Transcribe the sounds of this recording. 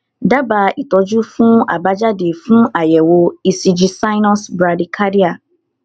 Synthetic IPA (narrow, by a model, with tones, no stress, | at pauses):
da˦ba˧i˨tɔ˨˧d͡ʒu˦fũ˦a̰˨ba˦d͡ʒa˦de˨fũ˦a˨jɛ˨wo˧i˨si˧d͡ʒi˧˦sa˦jnɔ̃˦sbɾa˧di˨kʰa˦ɾi˦a˦˨